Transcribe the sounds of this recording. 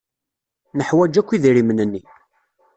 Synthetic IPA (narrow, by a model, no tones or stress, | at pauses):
nəħwæd͡ʒækʷːiðiɾimənənːi